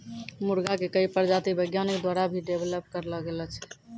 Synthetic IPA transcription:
muɾɡakekəipəɾd͡ʒat̪ibəjɡjanikd̪waɾabʱiɖebʱeləpkəɾləɡelɛt͡ʃʰɛ̥

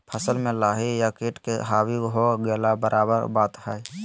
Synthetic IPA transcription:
pʰəsəlmẽlaːɦijakeːʈkeɦaːwiɦoɡeːlabəɾʔaːbəɾbaːt̪hae

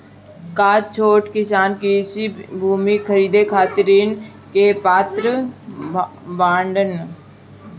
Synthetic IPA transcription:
kaːt̚t͡ʃʰoːʈkɪsaːnkɾiːsibʱuːmikʰəɾiːd̪ekʰaːt̪ɾiːn | kepaːt̪ɾə | bãːɳɖən

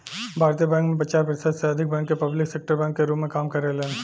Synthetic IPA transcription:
bʱaːɾt̪ijəbɛ̃ːŋkmẽp̬ɐt͡ʃaːɾpɾɪsəd̪seɐd̪ʱɪk̚bɛ̃ːŋkːepɐblɪksek̚ʈəɾbɛ̃ːŋkːeɾuːpmẽkaːmkɐɾeleɦːn

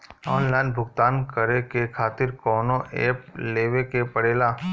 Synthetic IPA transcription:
ɔːnlaːɪnbʱʊɡt̪aːnkɐɾekekʰaːt̪ɪɾkɔːnoʔḛːpleːʋekepɐɽeːlaː

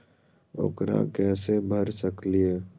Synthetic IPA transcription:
o̰ːkɾa̰kɛːsebʱəɾsəklieː

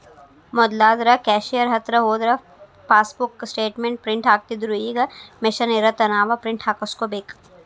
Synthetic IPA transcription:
mɔd̪laːd̪ɾɐkɛːʃijɐɾɦɐt̪ɾəɦoːd̪ɾɐ | paːsbʊkːsʈeːʈmẽɳʈ̚pɾɪ̃ɳʈʰaːk̚t̪id̪uɾujiɡɐmɪʃɐneɾɐt̪ɐnaːʋapɾɪ̃ɳʈʰaːkɐskobeːkʰ

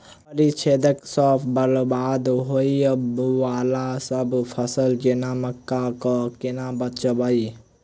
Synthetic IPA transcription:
ɐɾit͡ʃʰeːd̪əksɔːpʰbəɾbaːd̪ɦoiəbuʋaːlasɐbpʰɐsəld͡ʒenaːməkːakɔkɪnãːbɐt̪t͡ʃəbai

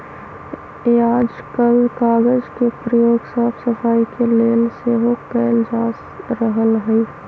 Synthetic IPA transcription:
aːd͡ʒkəlkaːɡəd͡ʒkepɾəjoːɡsəːbsəfaːikeleːnseɦokɛːnd͡ʒaːs | ɾəɦəlɦɛi

